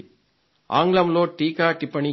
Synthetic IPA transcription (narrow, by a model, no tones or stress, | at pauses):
a̰ːŋɡlɐmloːʈiːkaːʈipːɐni